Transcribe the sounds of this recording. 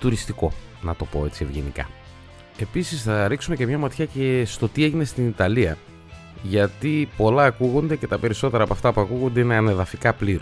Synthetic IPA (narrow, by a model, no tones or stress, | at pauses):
t̪uɾist̪iko̞nɐt̪o̞po̞e̞t͡sie̞vʝe̞̰nḭkɐ̰ | e̞pisisθɐɾiksume̞ce̞mɲɐmɐt̪çɐce̞st̪o̞t̪ie̞ʝine̞st̪init̪ɐliɐ | ʝɐt̪ipo̞lɐːkuɣo̞nd̪e̞ce̞t̪ɐpe̞ɾiso̞t̪e̞ɾɐːpɐft̪ɐpuɐkuɣond̪e̞ine̞ɐne̞ðɐfikɐpliɾo